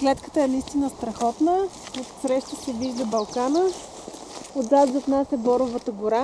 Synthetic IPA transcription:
klɛt̪kə̥t̪əɛnəist̪inəst̪ɾɐxɔt̪nə | ot̪sɾɛʃt̪ət͡ʃɛviʒd̪əbɐlˠkanə | od̪zat̪zot̪nasʲəbɔɾʊvət̪əɡʊɾa

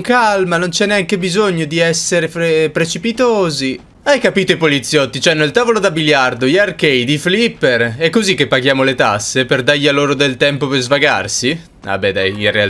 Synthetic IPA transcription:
ŋkalmanont͡ʃɛnːeaŋkebizoɲːod̪iɛsːeɾeɾepɾet͡ʃipit̪oːzi | ajkapiːt̪oipolit̪sːjɔt̪ːit͡ʃoɛnːelt̪aːvolod̪abiljard̪ojarkejd̪iflipːerɛkːozikːepːaɡjaːmolet̪asːeperd̪ajːaloːɾod̪elt̪ɛmpoperzvaɡa̰rsi | a̰bːɛd̪a̰jinreal

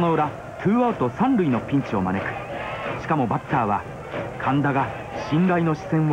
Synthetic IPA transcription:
nojoɾa | t̪ʰɯːaːt̪o̞sãnɾɯ̟ino̞pʲĩɲ̟t͡ɕio̞ma̰ne̞kɯ̥ɕi̥kamo̞bat̪ːaːβa | kʰãnd̪aɡa | ɕĩŋɾaino̞ɕi̥sẽ̞ɰ̃

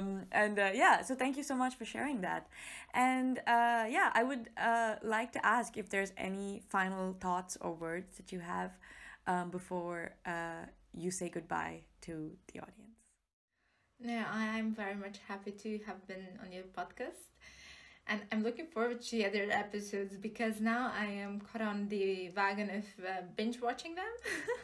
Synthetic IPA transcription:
mʔɨ̃ndʌjæsoʊt̪æ̃ŋkjusoʊmʌt͡ʃfɔ˞ʃɛ̰ɹɪ̃ŋðæ̰t̚ʔɨ̃nʌjæʔa̰ɪwʊdʌlaɪk̚tʰuʔæskɪfd̪əɹzɛ̰nifãɪ̃nl̩ˠt̪ɔtsɔ̰˞wɜ˞dzðæt͡ʃɨɦævʔʌ̃mbɪfɔɹʔʌjɨseɪɡʊd̚ba̰ɪtʰuðḭʔɔ̰ɾiə̃ns | noʊaɪ̃ɪ̃ɱvɛɹimʌt͡ʃhæpiɾʰɨəvbɨ̃nə̰̃njʌpʰɔd̚kæstʔɨ̃nãɪ̃mlʊkɪ̃ŋfɔɹwə˞d̚tʰiʌðə˞ʔɛpɨsoʊdzbɨkʰʌznaʊaɪɨ̃mkʰɔɾn̩ðɨvæɡɨ̃nʌvʌbɪ̃nt͡ʃwɑt͡ʃɪ̃ŋðɨ̃m

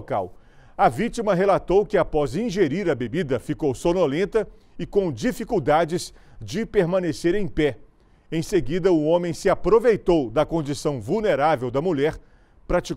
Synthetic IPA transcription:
ka̰w | ɐvit͡ʃimɐɦelat̪owkɪapɔzĩʒeɾiɾɐbebid̪ɐfikowsonolẽnt̪ɐ | ɪkõw̃d͡ʒifikuwd̪ad͡ʒɪsd͡ʒɪpeɾmɐ̃neseɾẽj̃pɛ | ẽj̃seɡid̪ɐʊõmẽj̃sɪapɾovejt̪owd̪ɐkõnd͡ʒisɐ̃w̃vuwneɾavewd̪ɐmuʎɛɾ | pɾat͡ʃi

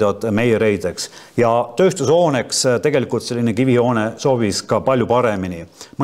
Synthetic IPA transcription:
d̪̥ɑd̪̥me̞jeɾe̞jd̪̥e̞ksjɑt̪ø̞ːst̪uso̞ːne̞kst̪e̞ɡe̞likult̪se̞lʲːinekivio̞ːne̞so̞ːviskɑpɑlʲjupɑɾe̞minim

